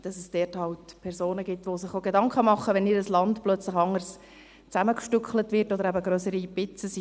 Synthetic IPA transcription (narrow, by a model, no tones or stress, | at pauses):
d̥ɑsɛsd̥ɛːthɑwtpʰɛɾzoːnəɡɪtʋosɪχoɡedɑŋkχəmɑχːəʋɛnɪɾəslɑntplœt͡slɪχɑŋːərs | t͡sæməkʃtykχlətvɪɾtɔd̪əɾæbəɡɾøsəɾib̥ɪt͡səs